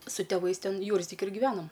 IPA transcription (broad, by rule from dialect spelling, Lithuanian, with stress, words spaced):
sʊ tʲeːˈʋɐɪs ˈtʲɛn ˈjuːrʲzʲdʲɪkʲɪ ɡʲɪˈʋʲæːnoːm